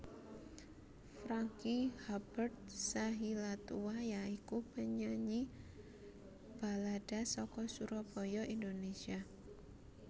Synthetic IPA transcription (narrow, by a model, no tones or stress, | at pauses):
fɾaŋkihab̥ərd̪̚saɦilat̪uwajaikub̥əɲaɲi | b̥a̤lad̥a̤sɔkɔsuɾɔb̥ɔjɔʔindonesia